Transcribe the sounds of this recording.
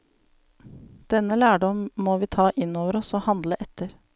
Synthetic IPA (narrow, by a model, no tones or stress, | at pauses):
d̪̥ɛnːəlæːɖɔmmoːʋiːt̪ʰɑːʔɪnoːʋəɾɔsoːhɑnd̪ləʔɛt̪ʰːəɾ